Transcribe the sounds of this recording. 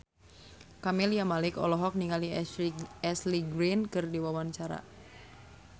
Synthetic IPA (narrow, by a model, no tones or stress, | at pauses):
kamɛliamalɪkɔ̰lɔɦɔk̚niŋali | ɛsliɡɾinkɨrdiwawanɲt͡ʃaɾa̰